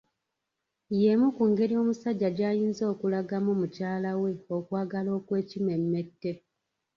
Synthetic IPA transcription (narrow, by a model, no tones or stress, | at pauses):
je̞mukuŋɡe̞ɾio̞musaɟːaɟaːjiːnzo̞ːkulaɡamumucaːlawe̞okwaːɡalo̞ːkwe̞ːcime̞mːe̞tːe̞